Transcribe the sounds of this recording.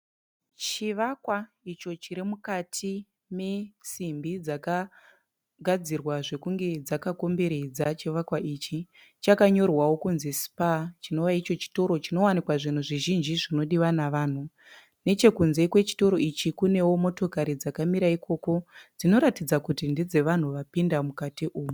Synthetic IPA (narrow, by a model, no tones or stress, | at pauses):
t͡ʃiʋakwa | it͡ʃo̞t͡ʃiɾimukatʰi | me̞simbid͡zaka | ɡʱad͡zirwaʐe̞kuŋɡe̞d͡zakako̞mbeɾed͡zat͡ʃiʋakwaʔit͡ʃi | t͡ʃakaɲo̞rwawo̞kunzesi̥pat͡ʃino̞ʋait͡ʃo̞t͡ʃi̥to̞ɾo̞t͡ʃino̞wanikwaʐin̤uʐiʒind͡ʒiʐino̞ɗiwanaʋaːn̤u | ne̞t͡ʃe̞kunze̞kwe̞t͡ʃi̥to̞ɾo̞it͡ʃikune̞wo̞mo̞to̞kaɾid͡zakamiɾaikʰo̞ko̞d͡zino̞ɾatid͡zakutindid͡ze̞ʋan̤uʋapindamukatiʔuːmu